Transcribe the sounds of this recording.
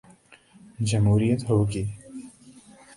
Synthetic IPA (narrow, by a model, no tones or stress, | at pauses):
d͡ʒɐmɦuːɾijət̪ɦoːɡiː